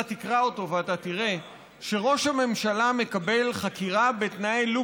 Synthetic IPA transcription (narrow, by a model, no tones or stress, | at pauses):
at̪ikʁaoto̞veatatiʁe̞ | ʃe̞ʁo̞ʃhame̞mʃalame̞kabe̞lχakiʁabet̪naelu